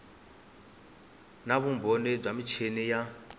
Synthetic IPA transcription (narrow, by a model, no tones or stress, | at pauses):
naβumbʱonib͡ʐamit͡ʃʰenija